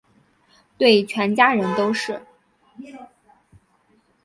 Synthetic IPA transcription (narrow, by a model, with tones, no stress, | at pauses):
t̪we˥˩ɪt͡ɕʰɥɛ˧˥nt͡ɕja˥ɻə˧˥nt̪o˥ʊʂɻ̩˥˩